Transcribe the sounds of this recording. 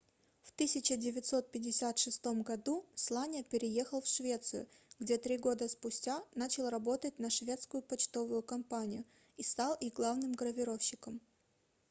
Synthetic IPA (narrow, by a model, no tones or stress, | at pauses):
ft̪ɨsʲɪt͡ɕədʲɪvʲɪt̪so̞t̪̚pʲɪdʲɪsʲat̪ʂɨst̪o̞mɡɐd̪uslˠanʲɪəpʲɪɾʲɪje̞xəlˠfʂvʲe̞t̪sɨjʊ̰ɡdʲe̞t̪ɾʲiɡo̞d̪əspʊsʲtʲanat͡ɕɪlˠrɐbo̞t̪ət̚ʲnɐʂvʲe̞t̪skʊjʊpɐt͡ɕt̪o̞vʊjʊkɐmpanʲɪjʊ | ist̪alˠiɡlˠavnɨmɡɾəvʲɪɾo̞fɕːɪkəm